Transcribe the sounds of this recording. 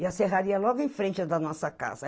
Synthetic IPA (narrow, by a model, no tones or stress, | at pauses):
ɪaseɦaɾiɐlɔɡʊẽj̃fɾẽnt͡ʃɪd̪ɐnɔsɐka̰zɐ